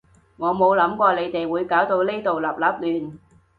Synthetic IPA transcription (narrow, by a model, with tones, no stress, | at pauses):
ŋɔː˨˧mo˨˧wlɐ˨˥mkʷɔː˧le˨˧jt̪e˨jwuː˨˧jkaː˨˥wt̪o˧wleː˥jt̪o˨wlɐ˨˩p̚lɐː˨p̚lyː˨n